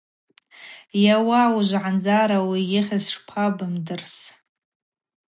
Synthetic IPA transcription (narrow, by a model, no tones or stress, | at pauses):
jawawuʒʷʕand͡zaɾawijɪχʲazʂpʷʰabɨmdɨrs